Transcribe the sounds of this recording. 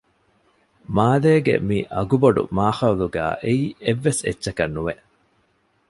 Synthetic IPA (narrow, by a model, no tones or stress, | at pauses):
maːleːɡḛmiʔɐɡubɐɖṵmaːhɐluɡæ̰ːʔeiːʔeʋːesḛtːʃɐkɐnːuʋeʔ